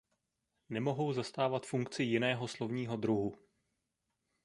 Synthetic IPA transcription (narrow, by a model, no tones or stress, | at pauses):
nɛmo̞ɦo̞wzast̪aːvat̪fuŋkt͡sɪjɪnɛːɦo̞slo̞vɲiːɦo̞d̪ɾuɦu